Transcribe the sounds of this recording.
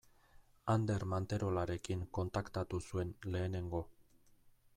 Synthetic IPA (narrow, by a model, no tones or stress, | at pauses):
and̪e̞ɾmant̪e̞ɾo̞laɾe̞kiŋko̞nt̪akt̪at̪usue̞nle̞ːne̞ŋɡo̞